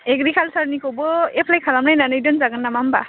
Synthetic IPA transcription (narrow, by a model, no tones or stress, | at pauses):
ekɾikʰalsaɾnikobɔepʰlajkʰalamnajnanɯjdɔnzaɡɯnːamamba